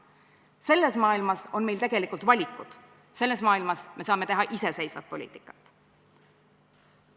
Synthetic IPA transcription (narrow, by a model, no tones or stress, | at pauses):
se̞lːe̞smɑːilmɑso̞nme̞jlt̪e̞ɡe̞likˑult̪vɑlʲikːˑud̪̥ | se̞lːe̞smɑːilmɑsme̞sɑːme̞t̪e̞ɦɑʔise̞se̞jsvɑt̪̚polḭːt̪ːˑikːˑɑ̥t̪ːˑ